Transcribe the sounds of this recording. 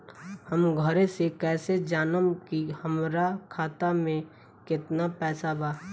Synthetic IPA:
həmɡʱəɾesekɛːsed͡ʒaːnəmkihəmɾakʰaːt̪amẽ | kɪt̪napɛːsabʱaː

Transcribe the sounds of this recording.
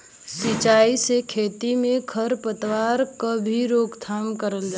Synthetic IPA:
sit͡ʃaisekʰet̪imẽkʰəɾpət̪ʋaɾkəbʱiɾoːɡt̪ʰamkəɾəld͡ʒa

